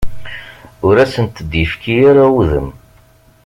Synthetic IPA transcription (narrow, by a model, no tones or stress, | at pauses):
ʊɾæsənt̪d̪jəfkijaɾauðə̰m